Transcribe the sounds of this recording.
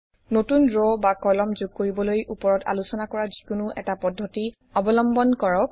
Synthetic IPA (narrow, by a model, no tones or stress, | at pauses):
notundɹɔbakɔlɔmzʊɡ̚koɹibɔlojʔupɔɹɔta̰lusɔnakɔɹazikʊnʊʔɛ̰tapɔdʱːɔti | ɔbɔlɔmbɔnkɔɹɔk̚